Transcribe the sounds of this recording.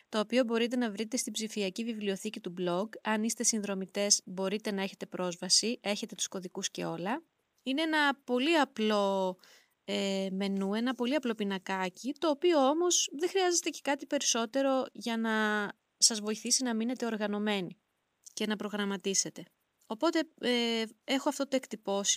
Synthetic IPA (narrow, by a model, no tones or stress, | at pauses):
t̪o̞ːpio̞bo̞ɾit̪̬e̞nɐvɾit̪e̞st̪ibzifiɐcivivlio̞θicit̪ublo̞ɡɐnist̪e̞sinðɾo̞mit̪e̞zbo̞ɾit̪e̞nɐe̞çe̞t̪e̞pɾo̞zvɐsiʔe̞çe̞t̪e̞t̪u̥sko̞ðikusce̞̰o̞lɐ | ine̞e̞nɐpo̞liɐplo̞ | eme̞nue̞nɐpo̞liɐplo̞pinɐkɐcit̪o̞ːpio̞omo̞zðexɾiɐzet̪e̞ce̞̥kɐt̪ipe̞ɾiso̞t̪e̞ɾo̞ʝɐnɐ | sɐzvo̞iθisinɐmine̞t̪e̞o̞ɾɣɐno̞me̞ni | ce̞nɐpɾo̞ɣɾɐmɐt̪ise̞t̪e̞ | o̞po̞t̪e̞ | e̞xoɐft̪ot̪oe̞kt̪ipo̞s